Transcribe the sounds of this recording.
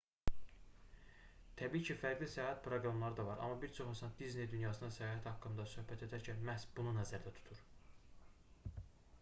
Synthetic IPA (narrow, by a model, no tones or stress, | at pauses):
t̪ʰæbiːcʰifæɾɡlʲisæjɑːɦæt̪pʰɾo̞ɡɾɑmlˠɑɾɯd̪ɑvɑɾʔɑ̰mːɑbiɾt͡ʃʰo̞χsɑnd̪izne̞jd̪ynjɑːsɯnɑsæjɑɦæt̪ʰhɑkːɯmd̪ɑsø̞hbæt̪ʰe̞d̪æɾcʰæmæhsbununæzæɾd̪æt̪ʰu̥t̪ʰuɾ